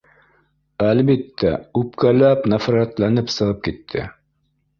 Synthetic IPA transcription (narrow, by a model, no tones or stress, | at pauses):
ælβit̪ːæ̰ʉpkælæpnæfɾɑt̪lænɘpsɤ̆ʁɤp̚kit̪ʰːɘ̰